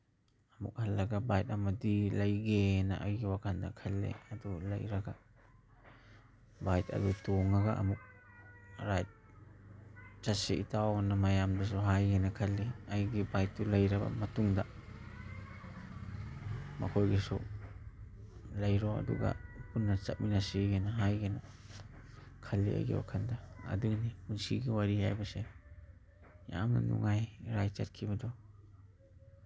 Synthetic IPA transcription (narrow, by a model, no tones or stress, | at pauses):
ɐmṵk̚hɐlːɐɡabajt̚ɐmadilɐjɡena̰ʔajɡiwakʰanda̰kʰɐlːḛɐdulɐ̰jɾɐɡa | bajtɐ̰dutoŋaɡaʔɐ̰muk̚ | ɾajt̚ | t͡ʃaseʔitawnamajamdus̬ɔɦajɡenakʰɐlːiajɡibajt̚ːulɐjɾɐba̰mɐtuŋda | ma̰kʰojɡisɔ̰ | lajɾɔa̰dṵɡa̰punːat͡ʃa̰t̚minasiɡanaɦajɡana | kʰalḭa̰jɡḛa̰kʰandaa̰dɯŋnipunsiɡiwaɾihajbase | ja̰mna̰nṵŋajɾajt͡ʃa̰t̚kʰibɐdɔ